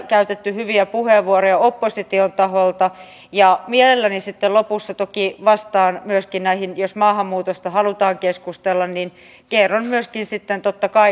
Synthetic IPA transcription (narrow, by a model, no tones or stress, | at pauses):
kæyt̪et̪ːyhyʋiæpuheʋʋuoɾojɑopːosit̪iont̪ɑɦolt̪ɑ | jɑmielelːænisit̪ːelopusːɑt̪okiʋɑst̪ɑːnmyøskinnæihinjosmɑːhɑmːuːt̪ost̪ɑhɑlut̪ɑːŋkeskust̪elːɑnnin | kerːɑnmyøskinsit̪ːent̪ot̪ːɑkɑi